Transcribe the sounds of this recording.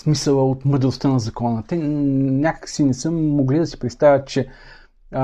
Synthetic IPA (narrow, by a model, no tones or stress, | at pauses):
smisəlˠəot̪məd̪ɾost̪ənɐzɐkɔnət̪ɛnʲakə̥ksinɛsɤmːoɡlʲid̪ɐsi̥pɾɛt̪st̪avʲət̪̚t͡ʃɛ